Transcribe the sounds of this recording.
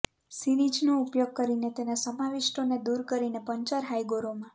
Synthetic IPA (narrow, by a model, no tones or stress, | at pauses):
sinid͡ʒnoupjoɡ̚kəɾinet̪enasəmaʋiʃʈoned̪uɾkəɾinepəɲt͡ʃəɾɦajɡoɾomã